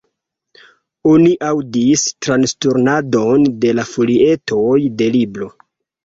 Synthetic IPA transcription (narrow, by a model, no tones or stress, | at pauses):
oniʔawdistɾanstuɾnado̞nde̞lafolie̞tʰojde̞libɾo̞